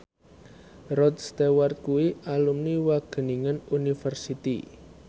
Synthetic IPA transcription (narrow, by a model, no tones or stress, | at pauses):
rɔd̪st̪ewart̪̚kuwiʔalumniwaɡ̥ə̤niŋənunifərsit̪ḭ